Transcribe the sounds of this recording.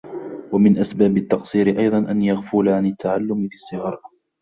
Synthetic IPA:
wamɪnʔasbaːbɪt̪ːɑqsˤiːɾɪʔɑjðˤɑnʔanjaɣfʊːlaʕanɪt̪ːaʕalːʊmɪfɪsːɪɣɑɾˤ

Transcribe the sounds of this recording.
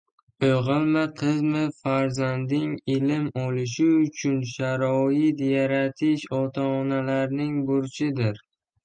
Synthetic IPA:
oʁɨlˠmaqʰɨzmɪfaɾzand̪ɪŋɪlɪmɒlɪʃ̬ɪʊt͡ʃʰʊnʃaɾɒɪt̪jaɾat̪ʰɪʃɒt̪ʰaːnalaɾnɪŋbʊɾt͡ʃʰɪd̪ɪɾ

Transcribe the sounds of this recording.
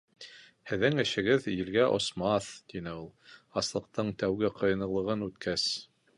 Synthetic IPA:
hɘ̆ðɘŋɘ̆ʃɘ̆ɡɘðjɘ̆lɡæʔŏ̰smɑθt̪inɘulˠɑslˠɤ̆q̚t̪ɤɴt̪æwɡɘqʰɤ̆jɤ̆nɤ̆lˠɤ̆ʁɤnʉt̪kʰæs

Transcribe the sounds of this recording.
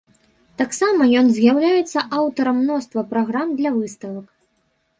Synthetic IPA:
t̪aksamɐjɔnzʲjawlʲajɛt̪sːɐʔawt̪ɐɾɐmːnɔst̪vɐpɾaɣɾamd̪lʲɐvɨst̪ɐvɐk

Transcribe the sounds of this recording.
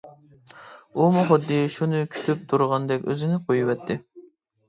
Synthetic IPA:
umuχʊd̪ːɨʃunɨkʲʰy̥t̪ʰyp̚t̪ʰuɾʁɑnd̪ɛkʲø̰zɪnɪqʰojuwɛt̪ʰːɪ

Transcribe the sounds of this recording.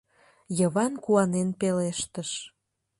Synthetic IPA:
jəβɑnkuɑnenpeleʃt̪əʃ

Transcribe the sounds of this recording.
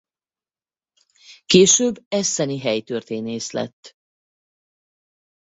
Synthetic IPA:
keːʃøːbːɛsɛniɦɛjt̪ørt̪eːneːʃlɛ̰t̪ː

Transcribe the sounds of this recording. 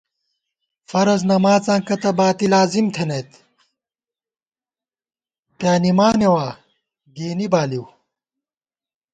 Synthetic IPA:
fɐɾɐznɐmaːt͡sãːkɐt̪ɐbaːt̪ilaːzimt̪ʰenɐjt̪ | pjaːnimaːnewaː | ɡeːnibaːliw

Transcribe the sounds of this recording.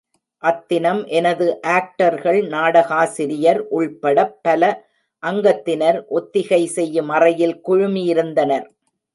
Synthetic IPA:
ʔɐt̪ːɪnɐmʔɛnɐðɯʔaːk̚ʈɐɾɣɐɭnaːɽɐɣaːsɪɾɪjɐɾʔʊɭpɐɽɐpːɐlɐ | ʔɐŋɡɐt̪ːɪnɐɾʔɔt̪ːɪɣɐɪsɛjːɯmɐrɐjɪlkʊɻʊmɪjɪɾɯnd̪ɐnɐɾ

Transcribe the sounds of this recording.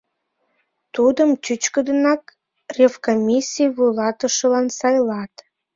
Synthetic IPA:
t̪ud̪əmtyt͡ɕkəd̪ənɑk | rʲefkomʲisʲijβujlɑt̪əʃəlɑnsɑjlɑt̪

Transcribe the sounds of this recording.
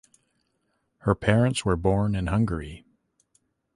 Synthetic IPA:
hə˞pʰɛɹɨ̃ntswə˞bɔɹnɨ̃nhʌ̃ŋɡə˞i

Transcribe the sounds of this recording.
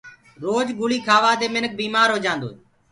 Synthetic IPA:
ɾoːd͡ʒɡʊliːkʰaːʋaːd̪eːmɪnək̚biːmaːɾɦoːd͡ʒãːnd̪o̰ːeː

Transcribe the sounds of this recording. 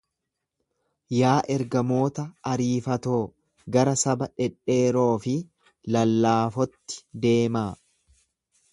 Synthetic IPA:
jaːʔɛɾɡɐmo̞ːt̪ɐːɾiːfɐt̪o̞ː | ɡɐɾɐsɐbɐᶑɛᶑe̞ːɾo̞ːfɪ | lɐlːaːfɔt̪ːɪ̥d̪e̞ːmaː

